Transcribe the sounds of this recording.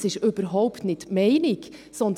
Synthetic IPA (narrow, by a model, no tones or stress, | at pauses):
sɪʃʏb̥əɾɦɔʊptnɪtmɛɪnɪksɔnd̪